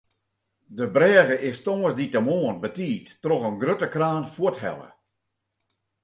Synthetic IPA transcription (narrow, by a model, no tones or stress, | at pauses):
dəbrɛːɣəʔɪstoŋəsditəmoːənbətiːtːroɣənɡrøtəkraːnfuəthɛ̰lˠə̰